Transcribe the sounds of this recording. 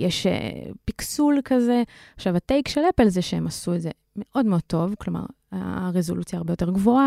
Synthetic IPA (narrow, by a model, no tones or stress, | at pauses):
jeʃḛpiksulkaze̞aχʃavatejkʃelepelzeʃeemasueze | me̞ʔo̞dmeo̞d̚t̪o̞vklo̞ma̰ʁ̰ | ʁezo̞lut͡sjaːʁbe̞jo̞t̪e̞ʁɡvo̞a